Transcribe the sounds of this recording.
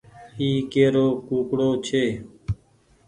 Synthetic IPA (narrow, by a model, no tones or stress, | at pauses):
iːkeːɾoːkuːkɽoːt͡ʃʰeː